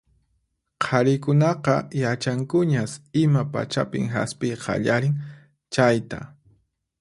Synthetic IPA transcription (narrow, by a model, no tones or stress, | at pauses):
qʰɑɾɪkʊnɑqɑjat͡ʃaŋkʊɲasɪmapa̰t͡ʃapɪ̰ŋɦa̰spɪjqʰɑ̰ʎaɾɪŋ | t͡ʃajt̪a̰